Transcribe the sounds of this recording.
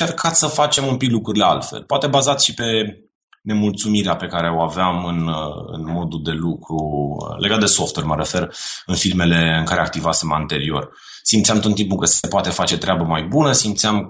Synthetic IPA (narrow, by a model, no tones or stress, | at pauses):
t͡ʃe̞rkʰat̪ssəfat͡ʃe̞mumpiklukɾuɾilea̰lfḛlpoat̪e̞bazat̪ʃipe̞ | ne̞mult̪sumiɾeape̞kaɾe̞o̞aveamɨnɨ̰nmo̞d̪ud̪e̞lukɾṵlʔe̞ɡat̪̚d̪e̞so̞ft̪uerʲməɾe̞fe̞rɨnfirme̞le̞ɨŋkaɾeak̚t̪ivasemant̪e̞ɾio̞̰r | simt̪sʲamt̪ot̪impukəsepoat̪e̞fat͡ʃe̞t̪ɾeabəmajbunəsimt̪seam